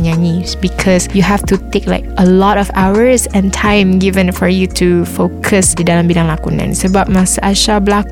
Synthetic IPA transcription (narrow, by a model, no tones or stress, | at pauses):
ɲanisbikʰɔsjuɦɛftut̪ek̚la̰ɪkəlɔtɔfawəɹsɛ̃ntʰãjmɡivə̃nfɔɹjutʰufokʰəsdidalãmbidãŋlakunã̰nsəbap̚masaʔaʃablak